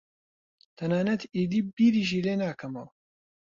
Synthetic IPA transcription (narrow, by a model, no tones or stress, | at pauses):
t̪ʰɐnaːnɐt̪iːd̪iːbiːɾiːʒiːleːnaːkʰɐmɐw